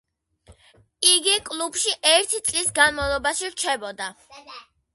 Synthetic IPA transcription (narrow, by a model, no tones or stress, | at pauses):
iɡikʼlˠub̥ʃiʔɛɾt̪ʰit̪sʼlisɡanmavlˠɔbaʃiɾt͡ʃʰɛbɔd̪a